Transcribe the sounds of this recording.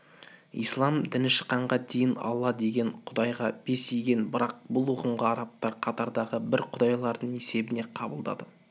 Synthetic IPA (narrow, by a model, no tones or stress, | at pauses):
ḭjslˠɑmd̪ɪnɪʃə̥qːɑɴʁɑd̪e̞jɪnɑ̰lˠːɑd̪e̞ɡʲe̞ɴqʰʊd̪ɑjʁɑb̥e̞sijɡʲe̞nbɪɾɑq̚bʊlˠwoqəmʁəɑɾɑp̚t̪ɑɾqʰɑt̪ɑɾd̪ɑʁəbɪɾqʰʊd̪ɑjlˠɑɾd̪əɴe̞se̞bɪne̞qʰɑbəlˠd̪ɑ̰d̪ə